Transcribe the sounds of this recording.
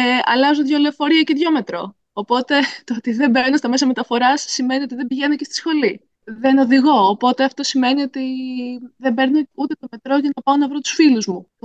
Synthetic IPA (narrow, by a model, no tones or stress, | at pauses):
ɐ̰lɐzoðʝoleofo̞ɾiɐceðʝo̞me̞t̪ɾo̞̰ː | po̞t̪e̞t̪oot̪iðe̞mbe̞ɾno̞st̪ɐme̞s̬ɐme̞t̪ɐfo̞ɾɐsːime̞nio̞t̪iðebiʝe̞no̞cest̪i̥sxo̞li | ðeno̞ðiɣo̞ːpo̞t̪e̞ɐft̪o̞sime̞nio̞t̪i | ðe̞mbe̞ɾno̞ut̪e̞t̪o̞me̞t̪ɾo̞ʝɐnɐpɐonɐvɾo̞t̪u̥sfiluzmu